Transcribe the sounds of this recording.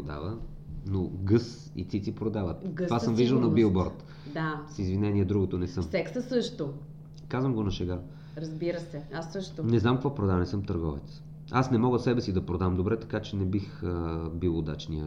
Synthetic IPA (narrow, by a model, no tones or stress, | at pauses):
od̪a̰və | noɡɤs | ḭt̪sitsipɾod̪avət̪vasəmviʒd̪əlˠnɐbilˠbɔɾt̪ | dd̪asizvinɛniɛd̪ɾuɡot̪onɛsɤmsɛksəsɤʃt̪o | kazvəmɡonɐʃɛɡa | ɾɐzbiɾəsɛasːɤʃt̪onɛznamkvɔpɾod̪avənɛsɤmt̪əɾɡɔvɛ̰t̪s | asnɛmɔɡəsɛbɛsid̪ɐpɾod̪avəmd̪obɾɛt̪ɐ̥kat͡ʃɛnɛbixəbilˠod̪a̰t͡ʃniə̰